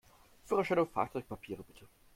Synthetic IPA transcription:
fyːʁaʃanʊfa̰ːt͡sɔʏk̚pʰapʰiːʁəb̥ɪtʰə

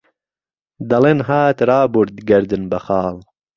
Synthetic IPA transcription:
d̪ɐlenɦaːt̪ɾaːbuɾd̪ɡɐɾd̪ɨnbɐxɑːl

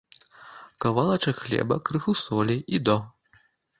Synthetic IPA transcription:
kɐvalˠɐt͡ʂɐxlʲɛ̰bɐkɾɨxusɔlʲiʔid̪ɔ

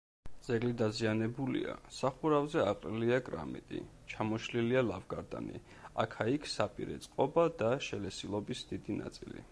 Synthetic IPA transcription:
d̪z̥ɛɡlid̪azianɛbulḭa̰saχuɾavzɛaqʼɾiliakʼɾa̰mḭt̪ʼḭ | t͡ʃʰamɔʃlilialavɡaɾd̪a̰nḭ | a̰kʰaikʰsapʼḭɾɛ̰t̪sʼqʼɔbad̪aʃɛlɛsilˠɔbisd̪̥id̪ina̰t̪sʼilḭ

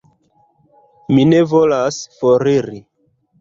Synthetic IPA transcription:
mine̞vo̞lasfoɾiɾi

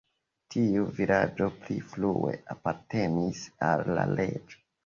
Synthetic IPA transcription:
tʰiuvilad͡ʒo̞pliflue̞ʔapaɾte̞nisalːa̰le̞d͡ʒo

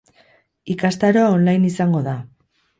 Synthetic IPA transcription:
ikast̪aɾoonlajnisaŋɡo̞ða

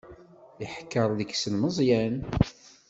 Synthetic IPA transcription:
iħkːəɾˤðəksənməzˤjæn

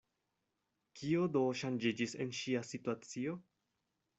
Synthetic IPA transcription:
kʰio̞doʃand͡ʒid͡ʒise̞̰nʃiasituat͡sio̞

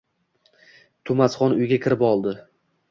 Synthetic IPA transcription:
t̪ʰʊmasχɒnʊjɡʲakʲʰɪɾɪpɒlˠd̪ɪ

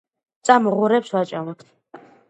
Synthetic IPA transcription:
t̪sʼamɔʁuɾɛpswat͡ʃʼamɔpʰ

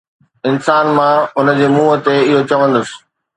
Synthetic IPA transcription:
ɪnsaːnmãʊnə̆d͡ʑeːmuːət̪eɪɦot͡ɕɐʋə̃nd̪əsɪ̥̆

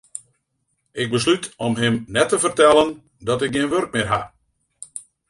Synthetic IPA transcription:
ɪɡ̚bəs̬lytʰɔmɦɪmnɛtəvərtɛlˠən | dɔtɪk̚ɡiənʋørk̚mɪrɦa̰

